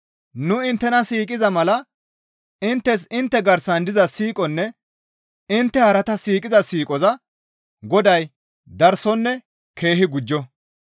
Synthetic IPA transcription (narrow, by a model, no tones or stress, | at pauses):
nʊɪnt̪ːɛnɐsiːkʼɪzɐmɐlɐ | ɪnt̪ːɛs̬ɪnt̪ːɛɡɐɾsɐnd̪ɪzɐsiːkʼɔnːɛ | ɪnt̪ːɛhɐɾɐt̪ɐsiːkʼɪzɐsiːkʼɔzɐ | ɡɔd̪ɐj | d̪ɐɾsɔnːɛ | kʰe̞ːhɪɡʊd͡ʒːɔ